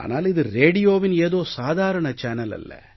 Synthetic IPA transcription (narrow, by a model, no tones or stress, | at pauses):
ʔa̰ːna̰ːlɪðɯɾeːɽɪjoːʋɪneːðoːsaːðaːɾɐɳɐt͡ʃɛːnɐlɐ̰lːɐ̰